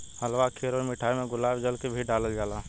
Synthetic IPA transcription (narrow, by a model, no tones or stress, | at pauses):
həlʋakʰeɾoːmɪʈʰaːimẽɡʊlaːbd͡ʒəlkebʱiɖaːləld͡ʒaːlaː